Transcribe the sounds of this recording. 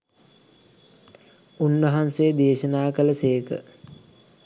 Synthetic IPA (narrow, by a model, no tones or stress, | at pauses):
unʋɐɦansejəd̪eːʃənaːkələseːkə̰